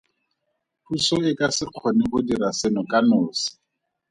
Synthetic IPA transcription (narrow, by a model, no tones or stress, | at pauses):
husɔɪkasɪq͡χʰɔnɪχʊdirasɪnɔkʼanʊːsɪ̥